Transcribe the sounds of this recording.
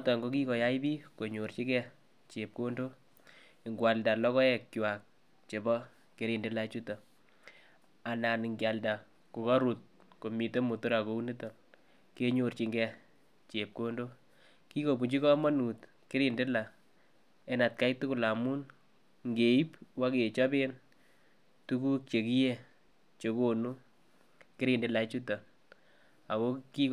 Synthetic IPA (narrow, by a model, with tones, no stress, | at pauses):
ɔ˦tɔ˨ŋɡo˦k̬i˦kɔ˨ja˦i˦bi˦ko˨ɲo˨ɾt͡ʃi˦kɛ˦ | t͡ʃe˨p̚ko˦ndo˦ | i˨ŋɡwa˨lda˨lɔ˦kɔ˦ɛ˨kkwa˨k̚ | t͡ʃe˨bɔ˦ | ke˨˦ɾi˨nde˦la˨˦t͡ʃu˦tɔ˨ | a˨na˨ni˨ŋɡja˨lda˨ | ko˨kɔ˦ɾu˨t̚ | ko˨mi˨te˦mu˨tu˦ɾa˨ko˨˦u˦ni˦tɔ˨l | ke˦ɲo˨rt͡ʃi˨ŋɡɛ˧ | t͡ʃe˨p̚ko˦ndo˦ | ki˦ko˨bu˨t͡ʃi˦kɔ˦ma˦nu˨t | kɪ˦ɾi˨ndɪ˦la˨ | ɛ˦na˨t̚ka˦jtu˦kʊ˨la˨mu˦n | ŋɡe˨i˦pwa˦ke˨t͡ʃɔ˦be˦n | tu˦ku˦k̚t͡ʃe˨ki˦je˦ | t͡ʃe˨ko˨nu˦ | kɪ˦ɾi˨nde˨la˨˦t͡ʃu˦ta˨ | a˨ko˦ki˦